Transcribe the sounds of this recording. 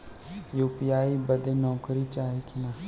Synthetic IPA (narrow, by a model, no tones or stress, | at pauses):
juːpijaːibəd̪enɔːkɾit͡ʃaːɦikɪnaː